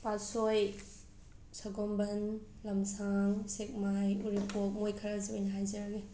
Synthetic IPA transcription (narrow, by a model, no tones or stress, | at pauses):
pasoj | saɡombɐn | lɐmsaŋsek̚majuɾipok̚mojkʰaɾazɐbijnɐɦajzɐɾaɡi